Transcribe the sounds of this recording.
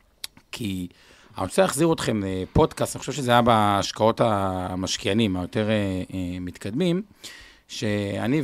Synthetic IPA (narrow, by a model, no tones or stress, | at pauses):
kʰi | a̰oseaχziʁot̪χe̞mepo̞d̪kastaniχoʃeʃezeajabaːʃkao̞tamaʃkijanimajot̪e̞ʁemit̪kad̪mim | ʃea̰ni